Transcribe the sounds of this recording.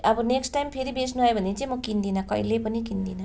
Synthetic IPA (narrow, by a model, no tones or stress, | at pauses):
ʌbuneksʈːajmpʰeɾibesnuɦʌebʱʌnːet͡sĩmʌkind̪inakʌ̰ilepʌnikind̪ina